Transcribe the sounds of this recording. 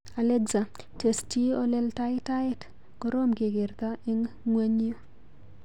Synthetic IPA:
a˨lɛ˦ɡza˨ | te˨stɔ˦lɛ˦lta˦ɪ˦ta˦ɪ˦t | ɡ̥ɔ˦ɾo˦mɡe˨ɡɪ˨ɾt̪a˦ɪ˦ŋŋwe˦ɲ˦o˦

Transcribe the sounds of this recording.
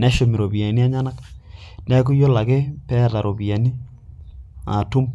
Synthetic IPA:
nɛ˦ʃo˨mi˨ɾo˨pi˨a˨ni˦a˦ɲa˦na˦knɛ˦k̬u˦jo˦la˨ke˦pɛ˦˨ta˨ɾo˨pi˨ja˨ni˦ | a̰˨tu˦m

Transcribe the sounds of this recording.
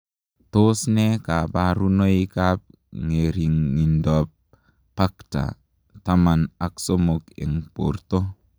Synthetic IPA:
to˦sne˦ka˨ba˦ɾu˦no˦i˦ka˦p̚ | ŋe˨ɾi˨ŋːi˨ndɔ˨pː | a˦kta̰˨ | ta˦ma˨na˦kso˦mo˨kḛ˨ŋpo̰˨ɾto˦

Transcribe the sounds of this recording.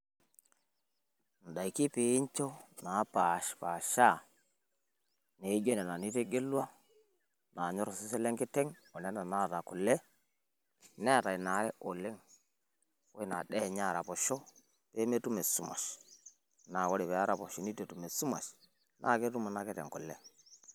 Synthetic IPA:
n̩˨da˨i˨ki˦pe˨˦ɲt͡ʃo˦na˨˦pa˨ʃpa˨ʃa˦˨ | ne˨˦ɡe˦nɛ˨na˨ni˦te˦ɡe˦lwa˦ | na˨ɲɔ˦ɾɔ˨si˦se˦le˦ŋkɪ˦tɛ˦ŋ | ɔ˨nɛ˦na˨na˦˨ɾa˨kʊ˨le˦ | nɛ˦˨ta˨i˨na˨˦ɾɛ˦ʔo˨le˦ŋ | o˦i˦˨na̰˨ɗɛ˦˨ɲaː˦˨ɾa̰˨pɔ˨ʃɔ˦ | pe˦me˦tu˦me˨su˦ma̰˨ʃ | na˨kɔ˦ɾi˨pɛ˨a˦ɾa˨pɔ̰˨ʃi˨˦ni˦te˨tu˨me˨su˦ma̰˨ʃ | nʔa̰˦˨ke˦tu˦mu˨na˦kɛ˦tɛ̰˨ŋkʊ˨le˦

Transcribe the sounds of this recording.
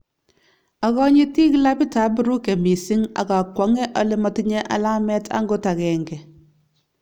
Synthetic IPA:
a˨kɔ˦ɲi˦ti˦kla˦pi˦ta˨˦bu˦ɾu˦ke˨mi˨si˦ŋa̰˨ka˨kwɔ˨˦ŋɛ˦ʔɔ˨lɪ˦mɔ˦tiɲɛ˦ʔa̰˨la˦mɛ˦tʰa̰˦ŋɡo˦ta˨kɛ˨ŋɡɛ˨

